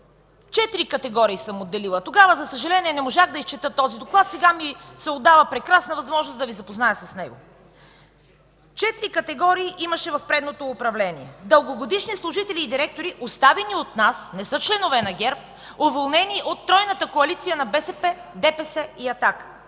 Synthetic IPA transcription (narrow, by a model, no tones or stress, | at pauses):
t͡ʃɛt̪iɾikɐt̪ɛɡɔɾiːsəmod̪ːɛlilˠət̪oɡavəzɐsəʒɐlɛniɛnɛmoʒaxd̪ɐist͡ʃɛt̪ɤt̪ːɔzid̪oklˠat̪sɛɡamisɛod̪ːavəpɾɛkɾasnəvɐzmɔʒnosd̪ɐvizɐpoznajəsɐsnɛɡo̰ | t͡ʃɛt̪iɾikɐt̪ɛɡɔɾiːʔimɐʃɛvɐfpɾɛd̪not̪oːpɾɐvlɛniɛ̰d̪əlˠɡoɡod̪iʃnislˠʊʒit̪ɛliːd̪iɾɛk̚t̪oɾiʔost̪avɛniot̪nasnɛsɤt͡ʃlɛnovɛnɐɡʲɛɾp̚ | ovolˠnɛniʔot̪ːɾɔjnət̪əkoɐlit̪sijənɐbɛsɛpɛd̪ɛpɛsɛiɐt̪akə̥